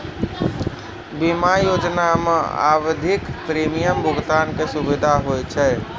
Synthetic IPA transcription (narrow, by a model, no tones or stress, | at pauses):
bimajod͡ʒnamḛa̰wd̪ʱikpɾemijəmbʱʊɡt̪ankesubid̪ʱaɦojt͡ʃʰɛ